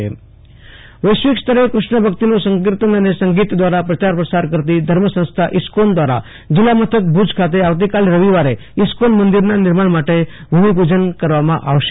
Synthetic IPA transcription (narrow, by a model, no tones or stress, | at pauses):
ḛ | ʋəjsʋikst̪əɾekɾuʂɳəbʱəkt̪inosəŋk̬iɾt̪ənənesəŋɡit̪d̪ʋaɾapɾət͡ʃaɾpɾəsaɾkəɾt̪id̪ʱəɾməsə̃st̪ʰaʔiskond̪ʋaɾa̰ | d͡ʑilamət̪ʰət̪̚bʱud͡ʒkʰat̪̬eaʋt̪̬ikalɾəʋiʋaɾe | iskonmənd̪iɾnaniɾmaɽmaʈe | bʱumibʱud͡ʒənkəɾʋamã̰ʔaʋʃ